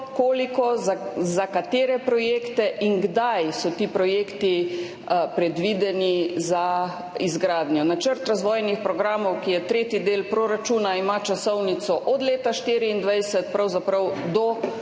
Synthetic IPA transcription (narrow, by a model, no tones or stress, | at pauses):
koːlikɔzazakat̪eːɾɛpɾɔjeːkt̪ɛʔiŋɡd̪ajsɔt̪iːpɾɔjeːkt̪i | pɾɛd̪ʋiːd̪ɛniza | izɡɾaːd̪njɔnat͡ʃəɾt̪ɾazʋɔːjnixpɾɔɡɾaːmɔwkijɛt̪ɾeːt̪id̪eːlpɾoɾat͡ʃuːnaimat͡ʃasɔwnit̪sɔʔɔd̪leːt̪aʃt̪iːɾiind̪ʋajsɛt̪pɾawzapɾɐwd̪ɔ